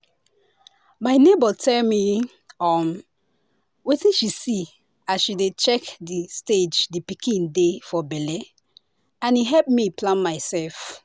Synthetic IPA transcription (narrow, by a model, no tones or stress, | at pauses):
maɪnebɔtʰɛlmi | ɔm | wetĩnʃisi | aʃidet͡ʃɛkdisted͡ʒdipikʰĩndefɔbɛlɛ | ãniɦɛlp̚miplãnmaɪsɛlf